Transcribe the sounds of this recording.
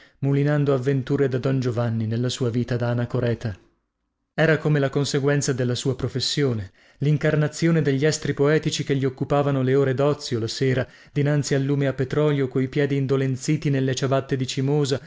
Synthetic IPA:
mulinand̪oavːent̪uːɾed̪ad̪ɔnd͡ʒovanːinelːasuːaviːt̪ad̪aanakoɾɛːt̪a | ɛːɾakomelakonseɡwɛnt̪sad̪elːasuːapɾofesːjoːne | liŋkarnat̪sːjoːned̪eʎːiɛst̪ɾipoɛːt̪it͡ʃikeʎːiokːupaːvanoleoːɾed̪ɔt̪sːjolaseːɾa | d̪inant̪sialːuːmeapːet̪ɾɔːljokojpjɛːd̪iːnd̪olent̪siːt̪inelːet͡ʃabat̪ːed̪it͡ʃimoːza

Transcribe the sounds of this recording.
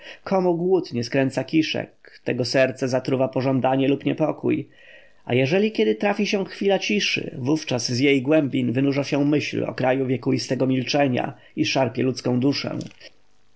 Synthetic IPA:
kʰɔmuɡwut̪ɲɛskɾɛnt̪sakʲiʂɛ̰kt̪ɛɡɔsɛɾt̪sɛzat̪ɾuvapɔʐɔnd̪aɲɛlupɲɛpɔkṵj | a̰jɛʐɛlʲikʲjɛd̪ɘt̪ɾafʲiɕɛ̃xfʲilat͡ɕiʂɘ̰vuft͡ʂazzjejɡwɛmbʲinvɘnuʐaɕɛ̃mɘɕlɔ̰kɾajuvʲjɛkuist̪ɛɡɔmʲilt͡ʂɛɲa̰ | iʂaɾpʲjɛlut̪skɔ̃w̃d̪uʂɛ̰̃w̃

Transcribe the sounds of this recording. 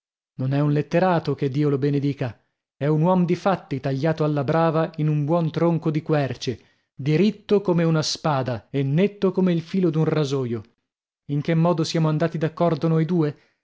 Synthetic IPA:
nonɛunlet̪ːeɾaːt̪oked̪ːiːolobened̪iːka | ɛunwɔmod̪ifat̪ːit̪aʎːaːt̪oalːabɾaːvainumbwɔnt̪ɾoŋkod̪ikwɛrt͡ʃe | d̪iɾit̪ːokomeunaspaːd̪aenːet̪ːokomeilfiːlod̪unrazoːjo | iŋkemːɔːd̪osjaːmoand̪aːt̪id̪akːɔrd̪onojd̪uːe

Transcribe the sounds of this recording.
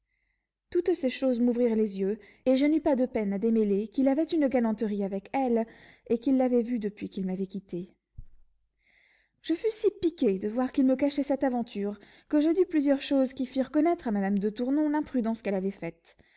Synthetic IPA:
t̪ut̪seʃozmuvʁiʁlezjø | eʒənypad̪əpɛnad̪emelekilavɛt̪ynɡalɑ̃t̪əʁiavɛkɛl | ekilːavɛvyd̪əpɥikʲilmavɛkʲit̪e | ʒ̥əfysipikʲed̪əvwaʁkilməkaʃɛsɛt̪avɑ̃t̪ʰyʁ | kəʒəd̪yplyzjœʁʃozkʲifiʁkɔnɛt̪χamad̪amd̪ət̪uʁnɔ̃lɛ̃pχyd̪ɑ̃skɛlavɛfɛt̪

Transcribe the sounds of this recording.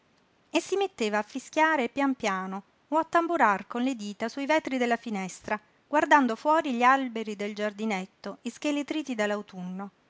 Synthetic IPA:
esːimet̪ːeːvaːfːisk̟jaːɾepjampjaːno | oat̪ːambuɾarkonled̪iːt̪asuivɛt̪ɾid̪elːafinɛst̪ɾa | ɡ̥ward̪and̪ofwɔːɾiʎialbeɾid̪eld͡ʒard̪inet̪ːoisk̟elet̪ɾiːt̪id̪alːawt̪unːo

